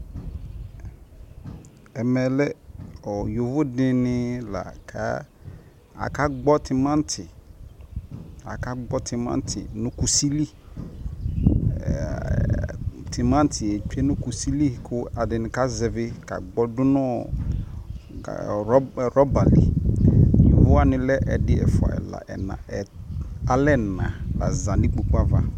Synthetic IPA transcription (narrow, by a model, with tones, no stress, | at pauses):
ɛ˨mɛ˨lɛ˦ɔ˨jo˨vʊ˦dɪ˦nɪ˦la̰˨kʰa̰˦ | a̰˨ka˦ɡ͡bɔ˦tʰɪ˨mã˦n˦tʰɪ˨ | a˨ka˦ɡ͡bɔ˦tʰɪ˨mã̰˦n˦tʰɪ̰˨nʊ̃˦ku˨si˦li˦˨ | tʰɪ˨mã˦n˦tʰɪ˨e˨t͡ʃe˦nʊ̃˦ku˨si˦li˦˨kʰʊ˦a˨dɪ˨nɪ̃˨ka˦zɛ˨vɪ˦ka̰˨ɡ͡bɔ˦dʊ˦nɔ˦˨˦ | ɾɔ˦ba˨lḭ˨ | vʊ˦a˦nɪ̃˦lɛ˦ʔɛ˨dɪ˦ɛ̰˨fʊ˨a̰˨ɛ̰˨la̰˨ʔɛ̰˨nã̰˨ɛ˨a˨lɛ˦˨nã˨ba˨za˨nĩ˦k͡po˨ku˦a˦va˦